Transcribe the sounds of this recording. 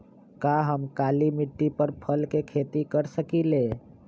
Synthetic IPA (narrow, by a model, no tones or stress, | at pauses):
kaɦəmkaːlimɪʈːipəɾpʰəlkekʰeːt̪ikəɾsəkile